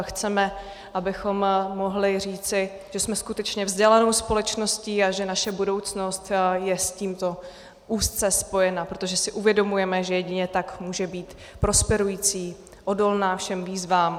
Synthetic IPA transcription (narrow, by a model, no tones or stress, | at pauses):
xt͡sɛmɛ | ʔabɪxo̞mːo̞ɦlɪriːt͡sɪ | ʒ̥ɛsmɛskut̪ɛt͡ʃɲɛvzɟɛlano̞wspo̞lɛt͡ʃno̞sciːaʒɛnaʃɛbudo̞wt͡sno̞st̪jɛsciːmt̪o̞ | ʔuːst̪t͡sɛspo̞jɛnapɾo̞t̪o̞ʒɛsɪʔuvjɛdo̞mujɛmɛʒɛjɛɟɪɲɛt̪akmuːʒɛbiːt̪ | pɾo̞spɛɾujiːt͡siː | ʔodo̞lnaːfʃɛmviːzvaːm